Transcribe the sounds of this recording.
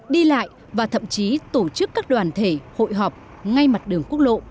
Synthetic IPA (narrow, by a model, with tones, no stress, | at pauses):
ɗi˧la̰ː˧˨j | vaː˨˩t̪ʰə̰˧˨mt͡ɕi˨˦t̪o˧˩t͡ɕɨ˦˥kːaː˦˥k̚ɗwaː˨˩nt̪ʰe˧˩ho̰˧˨jɦɔ˨˩p̚ | ŋa˧jma˨˩t̚ɗɨ˨˩əŋku˦˥ək̚lo̰˧˨